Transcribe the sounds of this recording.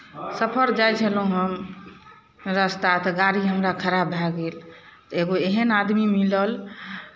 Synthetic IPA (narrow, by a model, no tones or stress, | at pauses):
səpʰəɾd͡ʒajt͡ʃʰəlũɦəm | ɾəst̪at̪ɔɡaɾiɦəmɾakʰəɾabbʱaɡel | t̪ɔeɡoeɦənad̪mimiləl